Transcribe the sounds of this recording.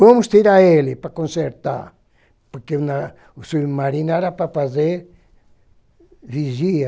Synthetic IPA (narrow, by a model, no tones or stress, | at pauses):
vɐ̃mʊst̪iɾaelɪpɾakõnseɾt̪a̰ɾ | poɾkena | suβmaɾĩnaɾapɾafazeɾ | viʒiɐ